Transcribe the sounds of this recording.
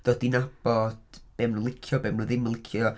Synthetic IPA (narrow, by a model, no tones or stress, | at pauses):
d̥oːdinab̥ɔd̥b̥eːmnəlˠɪkʰjɔbeːmnoðɪmnəlˠɪkʰjɔ